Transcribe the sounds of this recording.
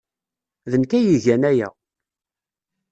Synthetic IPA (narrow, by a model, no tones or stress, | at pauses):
ðənkæjiʝænæjæ̰